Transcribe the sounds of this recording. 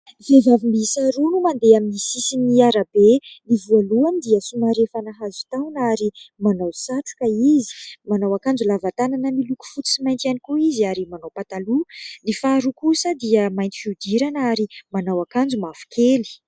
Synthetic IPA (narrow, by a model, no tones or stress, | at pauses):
vevavimbisaɾunumand̪eaminisisiniaɾabelivualuand̪iəsumaɾefanaɦazu̥t̪awnaɾimanawsaʈ͡ʂu̥kaizi̥manawakand͡zulavat̪ananəmiluku̥fut͡s̪i̥simajnt̪ianikuiziaɾimanawpat̪alulifaɾukusəd̪iəmajnt̪i̥fiud̪iɾanəaɾimanawakand͡zumafu̥kʰeli̥